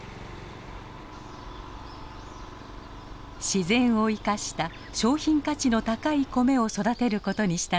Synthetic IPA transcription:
ɕizẽ̞ɰ̃o̞ikaɕi̥t̪a | ɕo̞ːçĩŋkat͡ɕino̞t̪akaiko̞me̞o̞so̞d̪at̪e̞ɾɯ̟ko̞t̪o̞ɲ̟iɕi̥t̪a

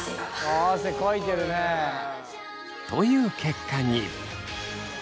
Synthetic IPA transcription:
asekoit̪eɾɯne | t̪o̞jɯ̟ːkʰe̞kːaɲi

